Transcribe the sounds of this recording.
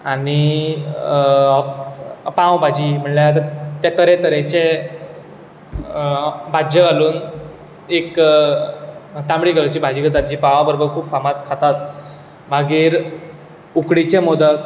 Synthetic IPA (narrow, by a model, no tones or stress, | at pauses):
ani | pãwbʱad͡ʑiːm̤əɳljat̪ət̪jat̪əɾet̪əɾet͡ɕe | bʱad͡ʑəɡaluːn | ek | t̪ãmɽiːɡələt͡ɕiːbʱad͡ʑiːɡət̪at̪̚d͡ʑiːpãʋabəɾobəɾkʰuːpfamat̪kʰat̪at̪ | maɡiːɾ | ukɽit͡ɕemod̪ək̪